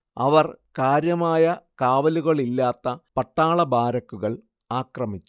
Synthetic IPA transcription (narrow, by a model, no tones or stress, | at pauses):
ɐ̰ʋɐrkaːɾjɐmaːjɐkaːʋɐluɣɐɭilːaːt̪ːɐpɐʈːaːɭɐbaːɾɐkːuɣɐɭ | aːkrɐmit͡ɕːu̥